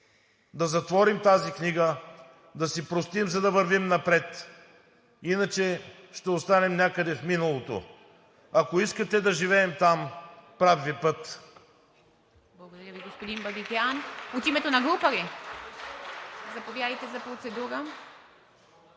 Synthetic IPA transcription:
d̪ɐzɐt̪vɔɾimt̪azikniɡə | d̪ɐsipɾost̪imzɐd̪ɐvəɾvimnɐpɾɛt̪ | inət͡ʃɛ | ʃt̪ɛost̪anɛmnʲakəd̪ɛfminɐlˠot̪o̰ | ɐkoiskət̪ɛd̪ɐʒivɛːmt̪ampɾavvipɤt̪ | blˠɐɡod̪ɐɾʲjəviɡospod̪inbɐbikʲianot̪imɛt̪onɐɡlˠupəɾi | zɐpovjad̪ɐjt̪ɛzɐpɾot̪sɛd̪uɾə

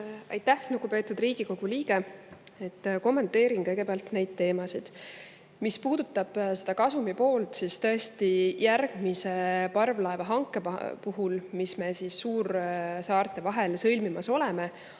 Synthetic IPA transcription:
ɑ̰jt̪ːˑæhnuɡ̥upe̞ːt̪ːˑud̪riːɡ̥iko̞ɡ̥uliːɡ̥e̞et̪ːko̞mːe̞nt̪ˑːe̞ːɾinkɤjɡ̥e̞peɑlt̪ne̞jd̪̥̚t̪e̞ːmɑsid̪̥ | mispuːd̪̥ut̪ːˑɑb̥se̞̥d̪ɑkɑsumipo̞ːlt̪sist̪ɤ̞e̞st̪ijærɡ̥mise̞pɑrvlɑevɑɦɑŋkːˑe̞puɦulmisme̞sisːuːrsɑːrt̪ˑe̞vɑɦe̞lsɤlmimɑso̞leme̞

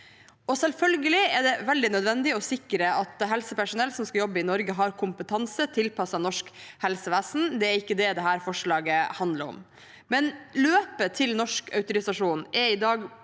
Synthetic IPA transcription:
ɔsɛlfœlɡəlɪɛɖɛʋɛld̪ɪnœd̪ʋɛnd̪ɪɔsɪkːəɾəʔɑt̪ɦɛlsəpæʂʊnɛlːsɔmskɑjɔbːəɪnɔɾɡəɦɑɾkʰʊmpət̪ʰɑnsət̪ʰɪlpʰɑsɑnɔʂkhɛlsəʋæːsnd̪ɛæɾɪkːəd̪ɛd̪ɛɦæːɾfɔʂɭɑːɡəhɑnd̪ləɾɔ̰m | mɛnløːpət̪ʰɪlnɔʂkœʉt̪ʊɾɪsɑʂuːnʔɛɾɪd̪ɑːɡ

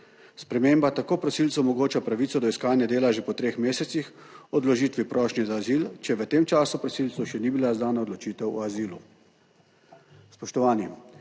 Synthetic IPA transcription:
spɾɛmeːmbat̪akoːpɾɔsiːlsɔmɔɡoːt͡ʃapɾaʋit̪sɔd̪ɔiskaːnjɛd̪eːlaʒepɔt̪ɾeːxmeːsɛt̪six | ɔd̪lɔʒiːt̪ʋipɾɔːʃnɛzaːzilt͡ʃɛʋət̪eːmt͡ʃaːsupɾɔsiːlt̪sɔʃɛnibilazd̪aːnaod̪lɔt͡ʃiːt̪ɛwɔaziːlṵ | spɔʃt̪ɔʋaːnim

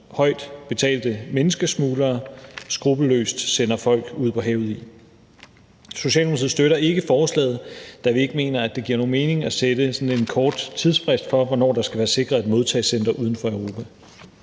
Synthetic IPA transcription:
hɒ̽ɪ̰d̥b̥e̝t͡sʰɛ̰ːld̥əmenəsɡ̥əsmuːlɐːsɡ̥ʁub̥əlø̰ːsd̥sen̰ɐfɒ̽l̰ɡ̥uð̰ˠpʰɒ̽ɦɛ̰ʊð̞̩ˠi | so̝ɕɛ̰ːlmmˠʰið̩ˠsd̥øɾɐʔe̝ɡ̥əfɒːslɛ̰ːð̞̩ˠd̥æʋie̝ɡ̥əme̝ːnɐæd̥e̝ɡ̥iɐ̰no̝ːnme̝ːne̝ŋæsed̥əsɒ̽ne̝nkʰɒːd̥t͡sʰið̞ˠspʰʁɛsd̥fɒ̽ʋɒnɒ̰ːd̥ɑ̈sɡ̥æʋæːɐse̝ɡ̥ʁɐðˠed̥mo̝ð̞ˠt͡sʰɛ̰ɪsend̥ɐʔuð̞ˠən̩fɒ̽eʊʁo̝ːpʰæ

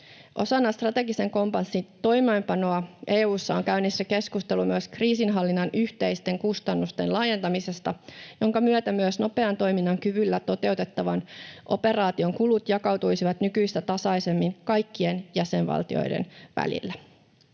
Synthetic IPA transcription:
ʔo̞sɑnːɑst̪rɑt̪e̞ɡise̞ŋko̞mpɑnsːint̪o̞jmejmpɑno̞ɑʔeːuːsːɑoŋkæynisːæke̞skust̪e̞lumyøskriːsinɦɑlːinːɑnʔyçt̪e̞jst̪e̞ŋkust̪ɑnːust̪e̞nlɑːje̞nt̪ɑmise̞st̪ɑjoŋkɑmyøt̪æmyøsno̞pe̞ɑnt̪o̞jminːɑŋkyʋylːæt̪o̞t̪e̞wt̪e̞t̪ːɑʋɑnʔo̞̰pe̞rɑːt̪io̞ŋkulut̪jɑkɑwt̪ujsiʋɑt̪nykyjst̪æt̪ɑsɑjse̞mːinkɑjkːie̞njæse̞nʋɑ̰lt̪io̞̰jdḛnʋæ̰lḭlːæ

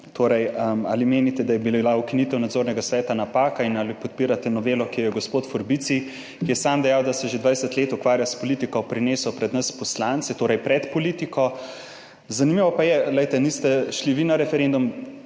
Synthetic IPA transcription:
t̪ʰoːɾɛjəma̰ːlimeːnit̪ɛd̪ajɛbilaukinit̪ɛwnad̪zoːɾnɛɡasʋɛːt̪anapaːkainalipɔt̪̚piːɾat̪ɛnɔʋeːlɔkijɛɡospoːt̪fɔɾbit̪si | kijɛsaːmd̪ɛjawd̪asɛʒed̪ʋajsət̪leːt̪ukʋaːɾjaspoliːt̪ikɔpɾineːsɔpɾɛd̪nɐspɔslant̪sɛt̪oːɾɐjpɾɛt̪pɔliːt̪ikɔ | zanimiʋɔpajɛlɛjt̪ɛnist̪ɛʃliʋinaɾɛfɛɾend̪um

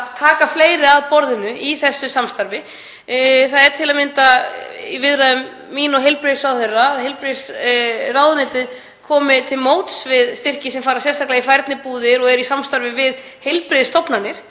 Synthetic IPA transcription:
aðt̪ʰaːkafleːjɾɪaðpɔɾðɪnʏiθɛsːʏsamst̪aɾvɪ | θaðɛɾ̥t̪ʰɪlamɪnt̪aivɪðɾaðʏmː | iːnɔɦejlpɾɪsawθɛrːaːðɦejlpɾɪsrawðʏnɪːt̪ɪð | kʰɔːmɪt̪ʰɪlmoːwt̪svɪðst̪ɪr̥cɪsɛmfaːɾasjɛnst̪aklaɣifajɾt̪nɪpuːðɪɾɔɣɛɾisamst̪aɾvɪvɪð | hejlpɾɪðst̪ɔpnanːɪɾ̥

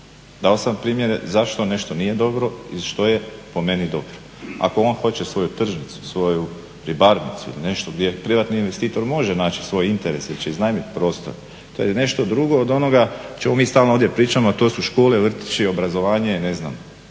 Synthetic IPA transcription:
d̪aosampɾiːmje̞ɾe̞zaʃt̪o̞ne̞ʃt̪o̞nije̞d̪o̞bɾo̞iʃt̪oje̞po̞me̞nid̪o̞bɾoa̰ko̞o̞ːnxo̞t͡ɕe̞sʋo̞jut̪r̩ʒnit̪su̥sʋo̞ju | ɾibaɾnḭt̪suḭline̞ʃt̪oɡd̪je̞pɾiʋat̪niːnʋe̞st̪iːt̪o̞ɾmo̞ʒenaːt͡ʃi̥sʋo̞jint̪e̞ɾe̞silit͡ɕeiznajmit̪pɾo̞ːst̪oɾ | t̪ojene̞ʃt̪o̞d̪ɾuɡo̞ːd̪o̞no̞ɡat͡ɕe̞mo̞miːst̪aːlnooːdjepɾiːt͡ʃamoat̪o̞ːsuʃko̞ːleʋr̩t̪i̥t͡ʃio̞bɾazo̞ʋaːɲeine̞zna̰m

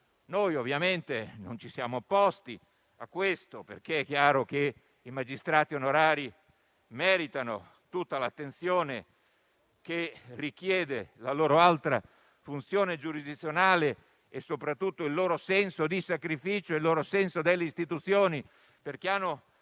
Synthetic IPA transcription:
nojovːjament̪eno̰nt͡ʃisjaːmoːpːɔst̪i | akːwest̪opḛrk̟eɛkːjaːɾoke | imad͡ʒist̪ɾaːt̪ionoɾaːɾi | mɛːɾit̪ano | t̪ut̪ːalat̪ːent̪sjoːne | kerikjɛːd̪elaloːɾoalt̪ɾa | funt̪sjoːned͡ʒuɾid̪it̪sːjonaːle | esːopɾat̪ːut̪ːoilːoːɾosɛnsod̪isakɾifiːt͡ʃoelːoːɾosɛnsod̪elːeist̪it̪ut̪sjoːni | perk̟eanːo

